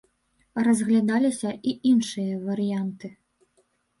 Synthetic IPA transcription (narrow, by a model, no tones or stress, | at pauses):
rɐzɣlʲad̪alʲisʲɐʔiʔinʂɨjɐvɐɾɨjant̪ɨ